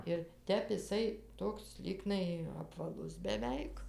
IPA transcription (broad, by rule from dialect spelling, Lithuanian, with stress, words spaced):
ɪr ˈtʲɛp ɪˈsɐɪ ˈtoːks ˈlʲiːɡnɐɪ ɐpʋɐˈlˠʊs bʲɛˈʋʲɛɪk